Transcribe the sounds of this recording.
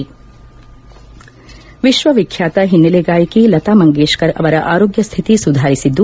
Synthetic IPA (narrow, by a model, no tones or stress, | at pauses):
ʋiʃʋɐʋikʰjaːt̪ɐɦinːɐleɡaːjɐkilɐt̪aːmɐŋɡeːʃkɐɾɐ̰ʋɐɾɐʔaːɾoːɡjɐst̪ʰit̪isud̪ʱaːɾisid̪ːu